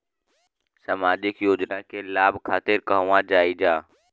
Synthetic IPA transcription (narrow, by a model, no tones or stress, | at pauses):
saːmaːd͡ʒɪkjoːd͡ʒnakelaːbʱkʰaːt̪ɪɾkəɦʋãd͡ʒaːid͡ʒaː